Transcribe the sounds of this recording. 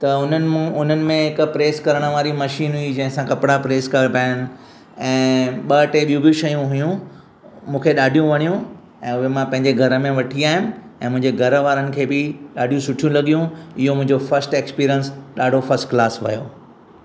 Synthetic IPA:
t̪ɐʊn̤ənɪ̆mũʊn̤ənɪ̆mẽɦɪkpɾeːskɐɾəɽ̃ə̆ʋaːɾimɐʃiːnɦuid͡ʑɐ̃ɦɪ̃sãkɐpɪɽapɾeːskɐpaːɪnɪ̆ | ɛ̃ːɓɐʈeɓijũbʱiuʃɐjũɦʊjũ | mũːkʰeɗaːɖʱijũʋɐɽ̃ijũ | ɛ̃ːʊɦemãpɐ̃ɦɪ̃ɲd͡ʑeɡʱɐɾəmẽʋɐʈʰiaːɦɪ̃nɪɛ̃ːmʊ̃ɦɪ̃ɲd͡ʑeɡʱɐɾʋaːɾənɪ̆kʰeːbɪɗaːɖʱijũsʊʈʰijũlɐɠijũɪɦomʊ̃ɦɪ̃ɲd͡ʑofɐɾsʈeːkspiːɾijənsɗaːɖʱofɐɾsʈklaːsʋɐ̰jo̰ː

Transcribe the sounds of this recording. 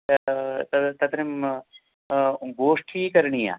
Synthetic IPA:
t̪ɐt̪ɐt̪ɾim | ɡoːʂʈʰiːkɐɾɳija̰ː

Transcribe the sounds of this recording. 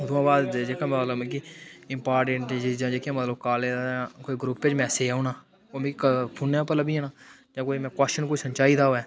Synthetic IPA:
d̪oãːbaːd̪d͡ʒeːkaːmaːləbɛ̃kiɪ̃mpaːɾʈẽːɳʈd͡ʒɪd͡ʒãːd͡ʒeːkːãːmət̪ləbkaːlekoːiɡɾuːpped͡ʒmɛ̃ːseːauːnaː | omĩkkpʰʊnjãːpələbiɦɛ̃ːnaː | d͡ʒãːkoːimɛ̃ːkwɛsʃənkoːisənt͡ʃaːiːd̪aːoɛː

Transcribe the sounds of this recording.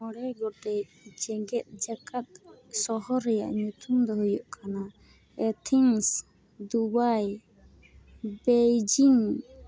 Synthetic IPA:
mɔɽɛɡɔʈɛd͡ʒɛɡɛt̪̚d͡ʒakat̪̚sɔɦɔɾɛja̰ʔɲut̪umd̪ɔɦujɔʔkʰana | ɛt̪ʰiŋs | d̪ubaj | bed͡ʒiŋ

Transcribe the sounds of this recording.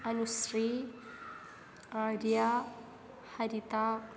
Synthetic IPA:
ɐnusɾi | aɾja | hɐɾit̪a

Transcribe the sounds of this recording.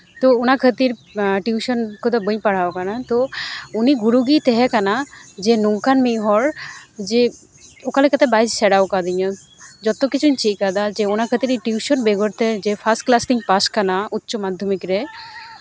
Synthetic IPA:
t̪oonakʰət̪iɾʈjuʃɔnkʰod̪ɔbəɲpaɽ̤aokanat̪ouniɡuɾuɡit̪ɛɦɛkanad͡ʒenuŋkanmiɦɔɾd͡ʒe | okalekət̪ɛbajssɛɽawkad̪iɲɔ | d͡ʒɔt̪okit͡ɕʰuɲt͡ʃiʔkad̪ad͡ʒeonakʰət̪iɾiʈjuʃɔnbeɡɔɾt̪ɛd͡ʒepʰasʈklast̪iŋpaskanautːomad̪ʱːomikɾe

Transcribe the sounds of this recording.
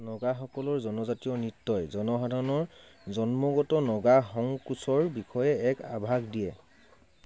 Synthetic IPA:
nɔɡaxɔkɔlɔɹzɔnɔzatiɔnitːɔjzɔnɔɦadʱaɹɔnɔɹzɔnmɔɡɔtɔnɔɡaxɔŋkusɔɹbixʰɔjɛɛka̰bʱaɡdijɛ

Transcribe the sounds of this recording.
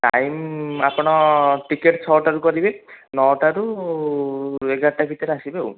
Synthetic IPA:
ʈa̰jmapɔɽ̃ɔʈikeʈt͡ʃʰɔʈaɾukɔɾibenɔʈaɾu | eɡaʈabit̪ɔɾasibew

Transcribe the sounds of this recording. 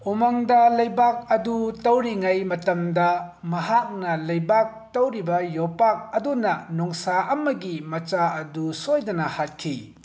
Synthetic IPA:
umaŋdɐlɐjbak̚ɐdutɐwɾiŋajmɐtɐmdɐmɐhak̚nɐlɐjbak̚tɐwɾibɐjopak̚ɐdunɐnɔŋsaʔɐmːɐɡimɐt͡ʃaɐdusojdɐnɐhat̚kʰi

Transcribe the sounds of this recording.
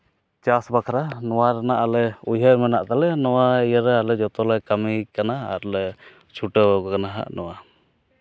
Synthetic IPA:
t͡ʃasbakʰaɾanɔwaɾanaʔlɛujɦəɾmɛnaʔt̪alɛnɔwaɛjəɾɛalɛd͡ʒɔt̪ɔlɔjkamikanaːɾlɛ | t͡ʃʰuʈəwkɔkanaɦa̰ʔnɔwa

